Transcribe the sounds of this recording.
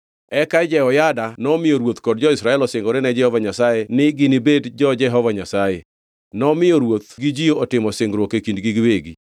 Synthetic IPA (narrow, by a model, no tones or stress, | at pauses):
ɛkad͡ʒɛɔjadanɔmɪoɾwot̪kɔdd͡ʒɔɪsɾaɛlɔsɪŋɡɔɾɪnɛd͡ʒɛhɔvaɲasajenɪɡɪnibedd͡ʒɔd͡ʒɛɦɔvaɲasaje | nɔmɪjoɾwot̪̚ɡid͡ʒijoːtɪmɔsɪŋɡɾwokekindɡiɡweɡi